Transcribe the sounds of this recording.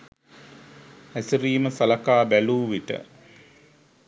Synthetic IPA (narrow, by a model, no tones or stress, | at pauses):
æsiɾiːməsalakaːbæluːʋiʈə̰